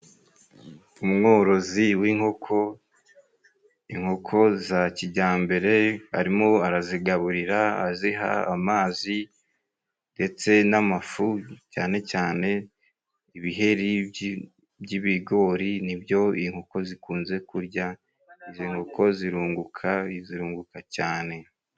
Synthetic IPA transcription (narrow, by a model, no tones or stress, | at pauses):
umŋo̞ːɾo̞ziwiŋho̞kʰo̞ | iŋho̞kʰo̞zaciɟaːmbe̞ɾe̞a̰ɾimo̞aɾaziɡaβuɾiɾaa̰ziɦa̰amaːzi | nde̞t͡se̞namafucaːne̞caːne̞ | iβiɦe̞ɾib | bɟiβiɡo̞ːɾinibjo̞iŋ̥ho̞ko̞zikuːnze̞kuɾja | iziŋho̞kʰo̞ziɾuːŋɡukʰaziɾuːŋɡukacaːne̞